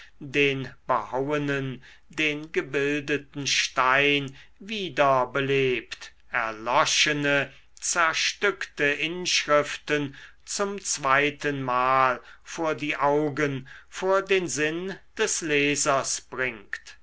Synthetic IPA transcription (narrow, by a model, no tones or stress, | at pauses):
deːnb̥əhawənən | deːnɡəbɪldətn̩ʃtaɪn | viːdɐbəleːpt | ɛɐlɔʃənə | t͡sɛɐʃtʏktəʔɪnʃʁɪftən | t͡sʊmt͡sv̥aɪtənmaːlfoːɐdiːʔaʊɡənfoːɐdeːnzɪnd̥ɛslɛːzɐsb̥ʁɪŋkt